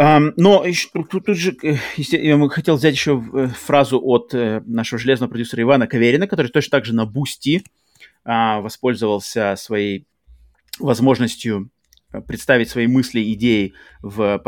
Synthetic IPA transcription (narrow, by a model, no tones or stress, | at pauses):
anoɪt̪ut̪ut̪ːud̪ʐɨjɪsʲtʲexɐtʲelˠvʲzʲætʲjɪɕːofɾazʊʔot̪naʂɨvəʐɨlʲe̞znəvəpɾɐdʲusəɾəɪvanəkɐvʲeɾʲɪnəkɐt̪o̞ɾɨjt̪ot͡ɕnət̪aɡʐɨnɐbusʲtʲi | avɐspo̞lʲzəvəlˠsʲəsvɐjej | vɐzmo̞ʐnəsʲtʲjʊ | pɾʲɪt̪st̪avʲɪtʲsvɐijmɨsʲlʲɪɪdʲejɪvə